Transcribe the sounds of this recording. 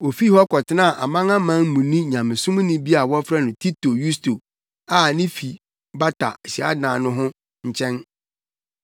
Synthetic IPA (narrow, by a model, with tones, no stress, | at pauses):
o˨fi˦hɔ˦kʰɔ˨tʰɪ˦nã˦˨ʔa̰˨mã˦ŋã˦mã˦ŋ˦mũ˨nĩ˦ɲã˨mɪ̃˨sʊ̃˦m˦nɪ̃˦bi˦a˨wɔ˦fɾɛ˦nʊ̃˨tʰi˦tʰo˨ju˦stʰo˨ | a˦˨nɪ̃˦fi˨ | ba˦tʰa̰˨ɕi˨a̰˦dãː˨nʊ̃˦ɦʊ̃˦ | ɲ̩˨t͡ɕʰɛ̃˦n